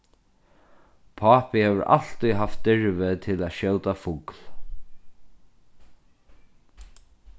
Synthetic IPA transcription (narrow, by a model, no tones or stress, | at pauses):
pʰɑːpɪhɛːʋəɾʔa̰ɬt̪iɦaft̪̚d̪ɪɹʋɪt̪ʰɪlæʃjœwt̪afʊkl̥